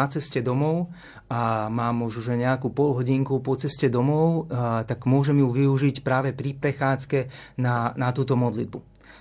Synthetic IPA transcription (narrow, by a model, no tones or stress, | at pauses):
at͡sɛscɛd̪ɔmɔʊ | amaːmuʒuʒɛɲɛakupɔlɦɔɟiŋkupɔt͡sɛscɛd̪ɔmɔʊt̪aɡmʊɔʒɛmjuʋiuʒicpɾaːʋɛpɾipɾɛxaːt͡skɛnanat̪uːt̪ɔmɔd̪lḭd̪̚bu